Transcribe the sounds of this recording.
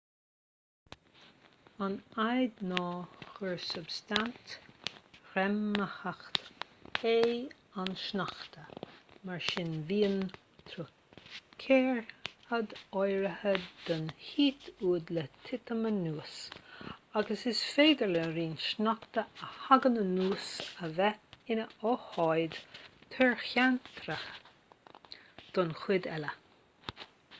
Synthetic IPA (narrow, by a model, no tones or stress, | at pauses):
anajd̪nɔːxəɹsʊbst̪ant̪ | ɾɛmːəhaxt̪he | anʃnaxt̪əmaɹʃɪnviːən | t̪ʰɾu | kʰɛːɹhəd̪ɔjɾəhəd̪̥ɔnhiːt̪ʰuːd̪lət̪ʰɪt̪əmənuːs | aɡəsɪsfeːd̪əɹləɾiːnʃnakt̪əəhaɡənənuːsəvɛɪnəɔhɔjd̪t̪ʰɛɹxant̪ʰɾəx | d̪̥ɔnxwɪd̪ɛlə